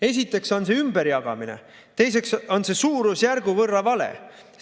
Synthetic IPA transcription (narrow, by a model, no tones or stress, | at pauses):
e̞s̬ʲit̪ːˑe̞kso̞nse̞ymb̥e̞ɾjɑɡ̥ɑ̰minḛ | t̪e̞jse̞kso̞nse̞suːɾusjærɡ̥uvɤrːɑvɑle̞̰